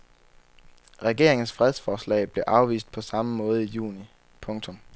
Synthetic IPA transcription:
ʁɛɡ̥e̝̰ɐ̰eŋn̩sfʁɛð̞ˠsfɒːslɛ̰ːɪb̥le̝ʔɑ̈ʊʋḭːsd̥̚pʰɒ̽sɑ̈məmɔ̽ːð̞̩ˠijṵːni | pʰɔ̽ŋt͡sʰɔ̽m

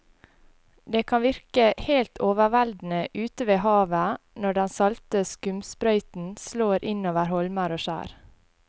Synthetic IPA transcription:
d̪eːkʰɑnʋɪɾkəheːlt̪ʰoːʋəʋæld̪n̩əʔʉːt̪əʋeːhɑːʋənɔɖɛnsɑlt̪əskʉmspɾœʏt̪n̩sloːɾʔɪnoːʋəɾhɔlməɾoːʃæ̰ːɾ

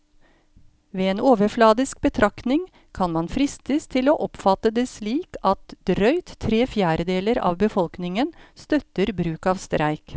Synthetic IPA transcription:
ʋeːeːnoːʋəɾflɑːd̪ɪsk̚bət̪ʰɾɑknɪŋ | kʰɑnmɑnfɾɪst̪əst̪ʰɪloːʔɔpfɑt̪əd̪eːsliːkɑt̪d̪ɾœʏt̪ʰːɾeːfjæːɾəd̪eːləɾɑ̰ːʋbəfɔlknɪŋənst̪œt̪əɾbɾʉːkɑːʋst̪ɾʔæɪk

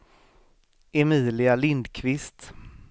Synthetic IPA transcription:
ɛmiːlɪalɪnd̪kʰvɪst̪

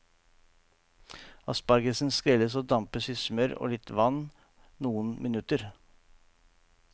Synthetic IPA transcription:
ɑspɑɾɡəsnskɾɪləsoːd̪ɑmpəsʏsmœɾo̰ːlɪt̪ʋɑn | nuːənmʔɪnʉt̪əɾ

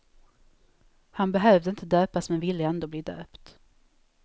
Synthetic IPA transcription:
hanbɛɦœːvd̪əɪnt̪əd̪øːpasmɛnvɪlːəɛnd̪oːbliːd̪ø̰ːpt̪

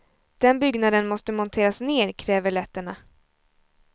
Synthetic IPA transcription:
d̪̥ɛnbʏɡnad̪ənmɔst̪əmɔnt̪ʰeːɾasneːɾkʰɾɛːvəɭɛt̪ːəɳa

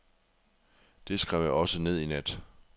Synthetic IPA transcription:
d̥e̝sɡ̥ʁaʊ̰ɒ̽səne̝ð̞̰ˠinæd̥

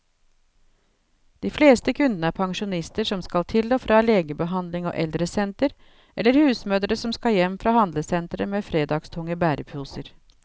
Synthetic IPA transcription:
d̪̥iːfleːst̪əkʰʉnd̪ənəæpʰɑŋʂʊnɪst̪əʂɔmskɑlt̪ʰɪloːfɾʔɑːleːɡəbəɦɑnd̪lɪŋo̰ːʔɛld̪ɾəsɛnt̪əɾ | ʔɛləɾhʉːsmøːd̪ɾəsɔmskɑjɛmːfɾɑːhɑnd̪ləsɛnt̪ɾəmeːfɾeːd̪ɑɡst̪ʰʊŋəbæːɾʔəpʰʉːsəɾ

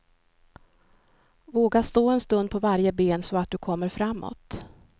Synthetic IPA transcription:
voːɡast̪oːɛnst̪ɵnd̪̚pʰɔvaɾjəbeːnsɔat̪̚d̪ɵkʰɔmːəɾfɾamːɔ̰t̪

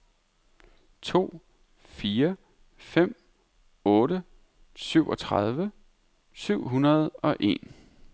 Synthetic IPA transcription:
t͡sʰo̝̰ː | fiːɐ | fem̰ | ɔ̽ːɾə | syʊ̰ʔɒ̽t͡sʰʁað̞ˠʋə | syʊ̰ɦunɐð̞ˠɒ̽ʔe̝̰n

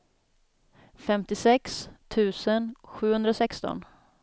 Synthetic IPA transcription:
fɛmt̪ɪsɛkst̪ʰʉ̟ːsənɧʉ̟ːhɵnd̪ɾasɛkst̪ɔ̰n

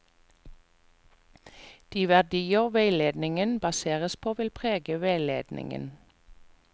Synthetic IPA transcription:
d̪̥iːʋæʁd̪iːəʁʋeɪleːd̪nɪŋənbɑseːʁəspʰoːʋɪlpʰʁeːɡəʋeːleːd̪nʔɪ̰ŋə̰n

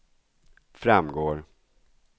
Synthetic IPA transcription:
fɾamɡoːɾ

